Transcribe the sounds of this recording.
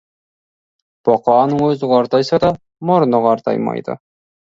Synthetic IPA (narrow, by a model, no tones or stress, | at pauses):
b̥ɒqɑːnəŋɵzəʁɑːɾt̪ɑjsɑd̪ɑ | moɾnoʁɑɾt̪ɑ̰jmɑ̰jd̪ɤ̰